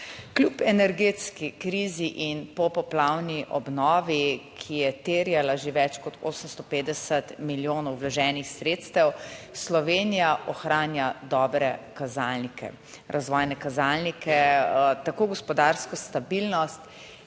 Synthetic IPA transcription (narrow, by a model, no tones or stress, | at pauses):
klʲupɛnɛɾɡeːt̪skikɾiziʔinpɔpɔplawniʔɔbnɔːʋikʰijɛt̪eːɾjalaʒeʋɛt͡ʃkɔt̪ʰoːsəmst̪ɔpeːd̪d̪ɛsət̪miljoːnɔwʋlaʒɛːnixsɾet̪st̪ɛwslɔʋeːnijaʔɔxɾaːnjad̪ɔːbɾɛkazalnikʰɛ̰ | ɾʔazʋɔːjnɛkazalnikʰɛt̪akoːɡɔspɔd̪aɾskɔst̪abilnɔst̪